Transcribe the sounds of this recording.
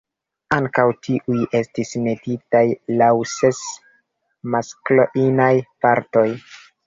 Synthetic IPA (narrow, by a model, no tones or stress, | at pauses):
aŋkawtʰiʔujʔe̞stisme̞ditajlawse̞s | maskloʔinajpaɾto̞j